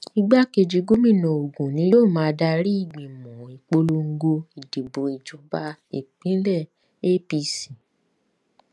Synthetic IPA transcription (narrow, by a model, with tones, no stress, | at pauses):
i˧ɡ͡ba˦ke˧d͡ʒi˧ɡu˦mĩ˦˨nɔ̃˨o˨ɡũ˨nĩ˨˦joː˦˨mãː˨˦˧da˧ɾi˦i˦˨ɡ͡bĩ˨mũ˨i˨k͡po˧lo˧ŋ̩˦ɡo˧i˨di˨bõ˨i˨d͡ʒɔ˨ba˧˦ḛ˨k͡pĩ˨˦lɛ˦˨ | e˦pi˧si˨